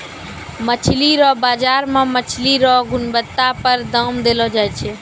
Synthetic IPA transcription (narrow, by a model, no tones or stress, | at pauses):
mət͡ʃʰliɾɔbaːd͡ʒaɾmãmət͡ʃʰliɾɔɦɡʊnbət̪ːapəɾd̪əmd̪elɔd͡ʒajt͡ʃʰɛ